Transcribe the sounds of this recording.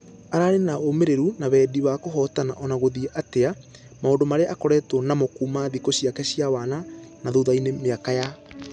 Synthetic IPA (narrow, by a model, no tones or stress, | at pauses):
aɾaɾenaomeɾeɾunaβɛːdiβakoɦɔtanaʔɔnaɣoðieʔatea | maoːndomaɾeaʔakɔɾɛtwɔnamokuːmaðikoɕiakɛɕiawaːnanaðoðainemeakaja